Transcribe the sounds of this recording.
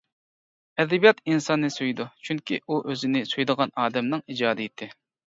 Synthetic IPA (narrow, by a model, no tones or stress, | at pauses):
ɛd̪ɛbijɑt̪insɑnːɨsujd̪ut͡ʃʰyŋkʲḭʔuʔøzɪnɪsyjd̪əʁɑnɑːd̪ɛmnɨŋid͡ʒɑːd̪ɨiet̪ʰːɪ